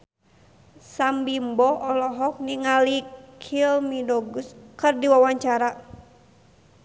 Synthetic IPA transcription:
sambimbɔɔlɔɦɔk̚niŋalikʰilmidɔɡuskɨrdiwawaɲt͡ʃaɾa

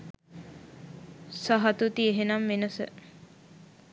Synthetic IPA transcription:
saɦat̪ut̪ieɦenamʋenəsə̰

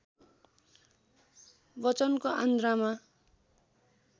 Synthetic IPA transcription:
bʌt͡sʌnkoʔand̪rama

